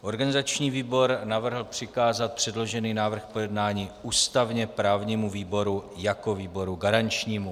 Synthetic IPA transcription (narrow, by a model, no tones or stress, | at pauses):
ʔo̞ɾɡanɪzat͡ʃɲiːviːbo̞ɾnavr̩ɦl̩pr̝̥ɪkaːzat̪̚pr̝̥ɛdlo̞ʒɛniːnaːvr̩xpo̞jɛdnaːɲiːuːst̪avɲɛpɾaːvɲiːmuviːbo̞ɾujako̞viːbo̞ɾuɡaɾaɲt͡ʃɲiːmu